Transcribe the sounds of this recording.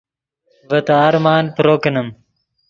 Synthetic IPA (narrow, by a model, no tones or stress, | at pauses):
ʋət̪aaɾmaːnpɾoːkənəm